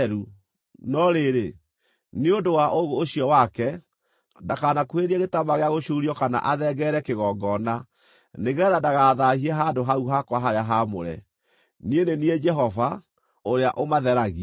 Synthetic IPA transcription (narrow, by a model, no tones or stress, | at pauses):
ɾu | nɔɾeɾe | neondowaʔoɣoːɕiɔwakɛ | dakanakweɾiaɣetamaɣeaɣoɕuɾiɔkana̰ʔaðɛɡɛɾɛkeɣɔɡɔna | neɣɛɾadaɣaðahiɛɦadoɦauɦakwaɦaɾeaɦamoɾɛ̰ | niendenied͡ʒɛɦɔva | oɾeaʔomaðɛɾaɣi